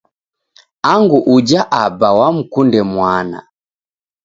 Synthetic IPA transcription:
aŋɡuʔud͡ʒaʔabawam̩kundɛmwana̰

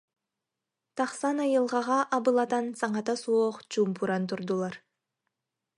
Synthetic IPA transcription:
t̪ɑχsɑnɑjɯlˠʁɑʁɑʔɑbɯlˠɑt̪ɑnsɑɴɑt̪ɑsuoqt͡ʃumpʰuɾɑnt̪uɾd̪ulˠɑɾ

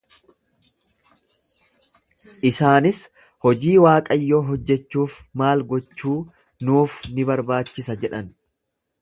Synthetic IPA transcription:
ʔɪsaːnɪs | hɔd͡ʒiːwaːkʼɐjːoːɦɔd͡ʒːɛt͡ʃːuːfmaːlɡɔt͡ʃːuː | nuːfnɪbɐɾbaːt͡ʃːɪsɐd͡ʒɛᶑɐn

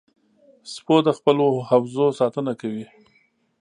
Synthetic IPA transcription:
spod̪əxpəlohawzosɑt̪ənakawi

